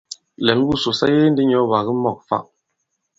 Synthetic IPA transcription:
lɛ˨n˦bu˦˨so˨sa̰˦je˦n̩˦di˦ɲɔ˨˦βa˨ɣə˦mɔ˦˨k̚fa̰˦˨ʔ

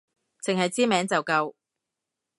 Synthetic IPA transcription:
t͡sʰɪ˨ŋhɐ˨jt͡siː˥mɛː˨˥ŋt͡sɐ˨wkɐ˧w

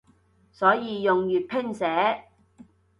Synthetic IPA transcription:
sɔː˨˥jiː˨˧jʊ˨ŋjyː˨t̚pʰɪ˥ŋsɛː˨˥

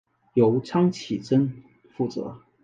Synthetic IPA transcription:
jo˧˥ʊʈ͡ʂʰɑ˥ŋt͡ɕʰi˨˩ʈ͡ʂə˥n | fu˥˩t͡sɤ̰˧˥

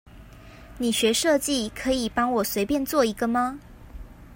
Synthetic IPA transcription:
ni˨˩ɕɥɛ˧˥ʂɤ˥˧t͡ɕi˥˨kʰɤ˨˧˥i˨˩pɑ˥ŋwɔ˨˩swe˧˥ɪpjɛ˥˧nt͡swɔ˥˩i˧˥ɡə˧˨ma˧

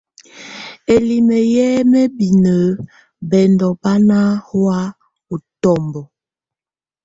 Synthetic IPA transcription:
e˨li˨me˨jɛ˦me˦bi˨nə˨˦ | bɛ˨ndɔ˨ba˦na˦hwa˦ | o˨tɔ˦˨mbɔ˨

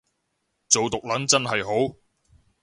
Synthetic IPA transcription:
t͡so˨wt̪ʊ˨k̚lɐ˨˥nt͡sɐ˥nɦɐ˨jɦo˨˥w

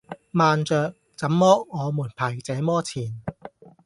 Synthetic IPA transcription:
maː˨nt͡sœː˨˧k̚ | t͡sɐ˨˥mːɔː˥ŋɔː˨˧muː˨˩npʰaː˨˩jt͡sɛː˨˥mɔː˥t͡sʰiː˨˩n

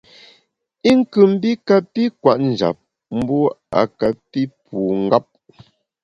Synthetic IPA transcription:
i˦ŋ̩˦kʉ˨m̩˦bi˦ka˨pi˦kwa˨ʔn̩˨d͡ʒa̰˨p̚ | m̩˦bɔ˦a̰˨ka˨pi˦puː˨ŋ̩˦ɡa˦p̚

